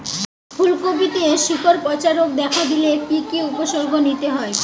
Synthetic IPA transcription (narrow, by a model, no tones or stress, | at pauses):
fʰulkobit̪ieʃikoɾpɔt͡ɕaɾok̚d̪ɛkʰad̪ilekikiupoʃoɾɡʱonit̪eɦɔe